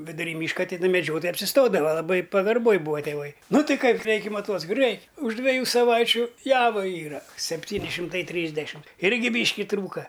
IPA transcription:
ʋʲɪdʊˈrʲiː ˈmʲiːʃkɐ tʲɪˈnɐ mʲɛˈd͡ʒʲoːtoːjɛɪ ɐpʲsʲɪˈstoːdɐʋɐ lˠɐˈbɐɪ pɐɡɐrˈboːj ˈbuːʋɐ tʲeːˈʋɐɪ ˈnʊ ˈtɐɪ ˈkɐɪ ˈrʲɛɪkʲɛ ˈmɑːˈtuɔt͡sʲɪ rʲɛɪ ʊʃ dʲʋʲɛˈjuː sɐˈʋɐɪt͡ʃʲʊ ˈjæːʋɐˈiːrɐ sʲɛpʲˈtʲiːnʲɪ ʃʲɪmˈtɐɪ ˈtʲrʲiːzʲdʲɛʃʲɪm ˈɪrʲɡʲɪ ˈbʲiːʃʲkʲɪ ˈtruːkɐ

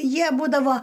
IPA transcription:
ˈjiɛ ˈbuːdɐʋoː

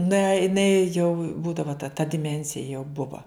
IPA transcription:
nɐ ɪˈnɐɪ jɛʊ ˈbuːdɐʋoː tɐ tɐ dʲɪˈmʲɛnʲsʲɪjɛ jɛʊ ˈbʊʋɐ

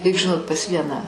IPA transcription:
rʲɛɪk ʒʲɪˈnoːt pɐs ˈʋʲiɛnɑː

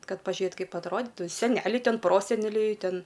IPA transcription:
ˈkɐt pɐʒʲʊˈjɛt ˈkɐɪp ɐtˈroːdʲɪtʊ sʲɛˈnʲæːlʲɛɪ ˈtʲɛn ˈproːsʲɛnʲɛlʲɛɪ ˈtʲɛn

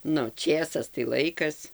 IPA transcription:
ˈnʊ ˈt͡ʃʲeːsɐs tɐɪ ˈlˠɐɪkɐs

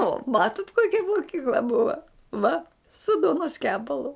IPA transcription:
oː ˈmɑːtʊt ˈkoːkʲɛ moːˈkʲiːklˠɐ bʊɐ ˈʋɐ sʊ ˈduɔnoːs ˈkʲæːpɐlˠʊ

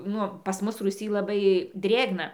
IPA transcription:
ˈnʊ pɐs ˈmʊs ruːˈsʲiː lˠɐˈbɐɪ ˈdʲrʲeːɡnɐ

